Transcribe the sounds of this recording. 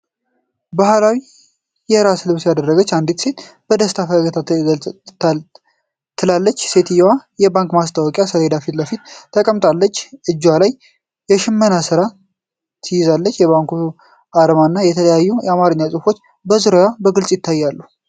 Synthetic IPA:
bahlawi | jɛɾaslɨβsjad̪ərːəɡət͡ʃːand̪it̪se̞t̪bəd̪əst̪ʰafəəɡət̪ʰa | t̪ʰːɨlalːət͡ʃːse̞t̪ɨjwajɛbaŋkmast̪ʰʼawɔkʼjasəled̪afit̪ləfit̪ːʰəkʼəmt̪ʼalːət͡ʃːʔɨd͡ʒːwalaj | jɛʃɪmːənasɨɾa | t̪ʰɨjɪzalːət͡ʃːjɛβaŋku | aɾəmanːajɛt̪ʰələjajːujɛamaɾɨɲːasʼɨfo̞t͡ʃː | bəzɨɾojabəɡɨlsʼjɪt̪ʰːajːalːu

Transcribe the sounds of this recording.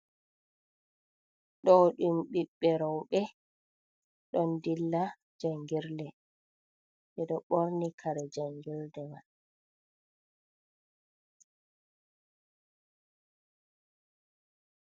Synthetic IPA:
ɗɔɗumɓiɓːɛɾɔwɓɛ | ɗɔndilːa | d͡ʒaŋɡiɾdɛ | ɓɛɗɔɓoɾnikʰaɾɛd͡ʒaŋɡiɾdɛman

